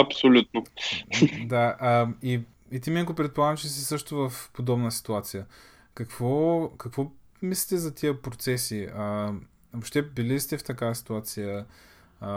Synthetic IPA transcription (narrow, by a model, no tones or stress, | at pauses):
ɐpsolʲut̪no | d̪aʔəi | it̪iminkopɾɛt̪̚polˠaɡəmt͡ʃɛsisɤʃt̪ʊvɐfpod̪ɔbnəsi̥t̪uat̪sijə | kɐkvɔkɐkvɔ | mislit̪ɛzɐt̪iəpɾot̪sɛsiə | voʃt̪ɛbilist̪ɛft̪ɐkasi̥t̪uat̪sijə